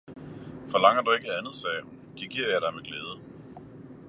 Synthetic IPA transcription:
fɒ̽lɑ̈ŋ̰ɐd̥ue̝ɡ̥əænð̩ˠsɛːhund̥iɡ̥iɐ̰jɑ̈ɾ̥ɑ̈ɪmeɡ̥leːð̞ˠə

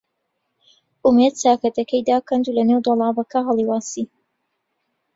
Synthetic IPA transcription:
ʔumed̪̚t͡saːkɐt̪ɐkɛjd̪aːkɐnd̪ulɐnewd̪olˠɑːbɐkʰɐɦɑlˠiwaːsi

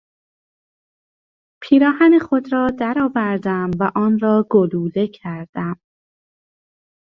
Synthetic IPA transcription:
pʰiːɾɒːhænexod̪ɾɒːd̪æɾɒːvæɾd̪æmvæʔɒːnɾɒːɡoluːle̞cʰæɾd̪̥æm

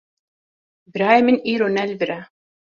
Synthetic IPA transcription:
b̆ɾɑjmɘ̆niɾonælʲvɘ̆ɾæ

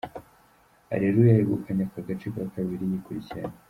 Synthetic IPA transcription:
a̰ɾeɾujaheɡukʰaɲakaɡat͡ʃikakawiɾijikuɾicaɲ

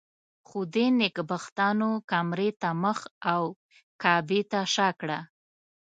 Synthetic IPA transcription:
xud̪enɪkbaxt̪ɑnokamɾet̪aməxaw | kɑbet̪aʃɑkɽa

